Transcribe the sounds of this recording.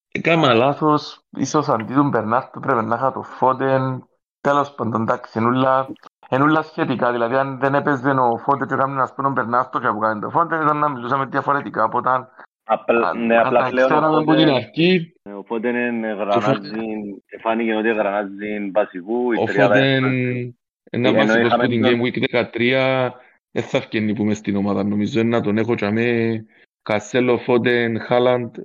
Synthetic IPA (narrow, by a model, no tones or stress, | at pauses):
kamalaθosḭsos̬and̪it̪umbeɾnaɾt̪opɾevenːaxat̪ofot̪en | t̪elospond̪ond̪aksienulːaenulːasçet̪ikaðilaðianðenepezenofot̪et͡ʃokamnenaspunombeɾnast̪ot͡ʃapukalend̪ofond̪enit̪anːamilusamed̪jafoɾet̪ikaopot̪an | pnealaaleoenaðembuinaɾci | opot̪enenɣɾazinefanicenot̪iɣɾɐnazːinvɐsikuioɾfoen | ḛnːɐaikosput̪iɲɡejmuikðekat̪ɾiɐ | eθːɐfcenːipumest̪inomaðɐnːomizːoenːɐt̪onexot͡ʃame | kaselːofot̪enxaland̪